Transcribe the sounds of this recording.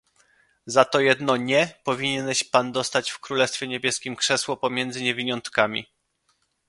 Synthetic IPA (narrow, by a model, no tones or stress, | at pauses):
zat̪ɔjɛd̪nɔɲɛpɔvʲiɲɛnɛɕpand̪ɔst̪at͡ɕfkɾulɛst̪fʲjɛɲebʲjɛskʲimkʂɛswɔpɔmʲjɛnd̪zɘɲɛvʲiɲɔnt̪kamʲḭ